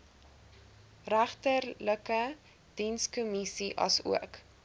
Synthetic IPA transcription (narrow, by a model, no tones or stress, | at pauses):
ræχtərləkə | d̥inskomisiʔɐ̰sṵək